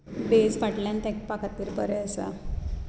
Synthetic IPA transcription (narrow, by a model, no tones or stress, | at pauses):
bed͡zfaʈljãnt̪akpakʰat̪ːiːɾbəɾeəsa̰